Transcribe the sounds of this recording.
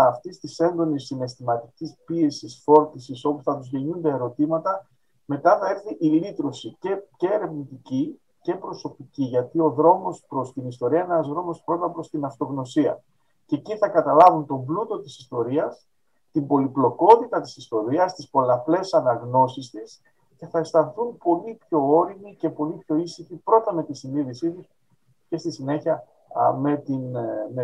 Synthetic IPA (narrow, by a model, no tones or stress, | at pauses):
ɐft̪ist̪ise̞nd̪o̞nisːine̞st̪imɐt̪icispie̞sisfo̞ɾt̪isiso̞posθɐt̪uzʝe̞ɲund̪eeɾo̞t̪imɐt̪ɐ | me̞t̪ɐθɐe̞ɾθiʔilit̪ɾo̞sicece̞ːɾe̞vnit̪ici | ce̞pɾo̞so̞piciʝɐt̪io̞ðɾo̞mo̞spɾo̞st̪inist̪o̞ɾiɐinenɐzðɾo̞mo̞spɾo̞t̪ɐpɾo̞st̪inɐft̪o̞ɣno̞siɐ | ce̞ːciθɐkɐt̪ɐlɐvunt̪o̞mblut̪o̞t̪isi̥st̪o̞ɾiɐs | t̪imbo̞liplo̞ko̞t̪it̪ɐt̪isist̪o̞ɾiɐst̪ispo̞lɐple̞sɐnɐɣno̞sist̪is | ce̞θɐest̪ɐnθunpo̞lipço̞o̞ɾimice̞po̞lipço̞isiçipɾo̞t̪ɐnetisiniðisit̪us | ce̞st̪isine̞çiɐ | me̞t̪inm